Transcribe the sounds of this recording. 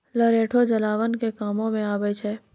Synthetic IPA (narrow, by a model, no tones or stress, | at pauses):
ləɾeːʈʰod͡ʒəlaːʋənkekaːmõmẽaːbəjt͡ʃʰɛː